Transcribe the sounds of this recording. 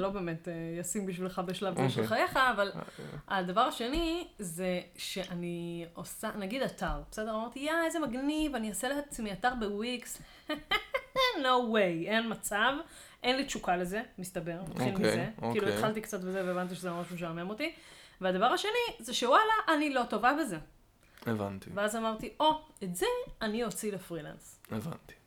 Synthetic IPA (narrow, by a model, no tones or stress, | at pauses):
lo̞be̞ːmetejasimbiʃvilχabeʃlaveʃelχajeχaːvalad̪avaʁaʃe̞nizeʃe̞ʔaniosanaɡid̪ataʁbesedeʁamaʁt̪ijaezemaɡnivaniaseleɦat͡smiataʁbewiks | nowejenmat͡sav | ʔe̞nlit͡ʃukale̞ze̞mistabe̞ʁna̰t̪χilkmizeokiːlueχalt̪ikt͡satbezeveeːvant̪̬iʃezemamaʃmeʃ̬amemo̞t̪ivead̪avaʁaʃe̞nizeʃewalaʔanilo̞to̞vabe̞ze̞ | eva̰nt̪ḭveazamaʁt̪iʔo̞etzeanio̞t͡silefʁila̰nseva̰nt̪i̥